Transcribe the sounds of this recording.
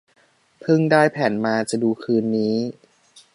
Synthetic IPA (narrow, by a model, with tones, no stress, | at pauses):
pʰɯ˥˩ŋdaː˥˩jpʰɛː˩˦nmaː˧t͡ɕa˨˩duː˧kʰɯː˧nːiː˦˥